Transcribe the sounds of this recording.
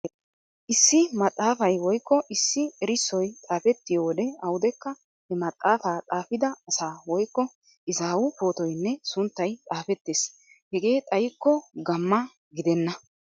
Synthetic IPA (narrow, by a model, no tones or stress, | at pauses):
ʔɪsːɪmɐt̪ʼːaːfɐjwɔjkːɔʔɪsːɪɛɾɪsːɔjt̪ʼaːfɛt̪ːɪjoːd̪ɛɐwʊd̪ɛkːɐ | hɛmɐt̪ʼʔaːfaːt̪ʼaːfɪd̪ɐɐsaːwɔjkːɔ | ʔɪzaːwʊpo̞ːt̪ɔjnːɛsʊnt̪ːɐjt̪ʼaːfɛt̪ːeːs | hɛɡe̞ːt̪ʼɐjɪkːɔɡɐmːɐ | ɡɪd̪ɛnːɐ